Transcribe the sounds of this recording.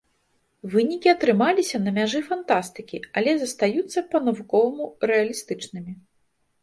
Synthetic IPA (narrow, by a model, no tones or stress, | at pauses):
vɨnʲikʲiɐt̪ɾɨmalʲisʲɐnɐmʲaʐɨfant̪ast̪ɨkʲiɐlʲɛzɐst̪ajut̪sːɐpɐnɐvukɔvɐmurɛɐlʲist̪ɨt͡ʂnɨmʲi